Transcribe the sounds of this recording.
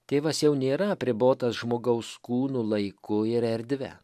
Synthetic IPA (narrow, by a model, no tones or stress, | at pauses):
t̪ʲeːʋɐsjɛʊnʲeːɾɐɐpʲɾʲɪboːt̪ɐsʒmoːɡɐʊskuːnuːlˠɐɪkʊɪɾɛɾʲd̪ʲʋʲɛ̰